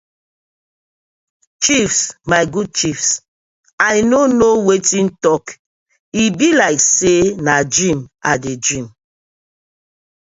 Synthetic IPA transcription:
t͡ʃifsmajɡud̚t͡ʃifs | ajnonowetĩntɔk | ibilaɪksenadɹĩmadedɹĩm

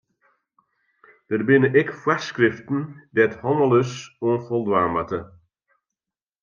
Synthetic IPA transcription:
d̥ərbɪnəʔɛkfwaskrɪftn̩dɛthɔnəløsuənfɔlˠdʋaːmətə

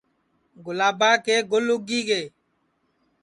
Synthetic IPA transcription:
ɡʊlaːbaːkeːɡʊlʊɡiːɡeː

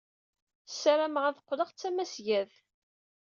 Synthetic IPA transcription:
sæɾæmʁaðqːləʁt͡sːæmæsjæð

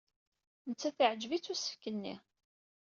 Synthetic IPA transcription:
nət͡sːæθiʕəd͡ʒvit͡sːusə̥fkənːḭ

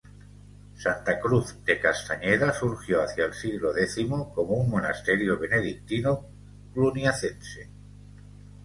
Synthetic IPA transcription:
sant̪akɾuθd̪̥e̞kast̪aɲeɾasuɾxjoaθjaelsiɣloðeθimokomouŋmona̰st̪eɾjoβ̞e̞ne̞ðik̚t̪ino | klunjaθense

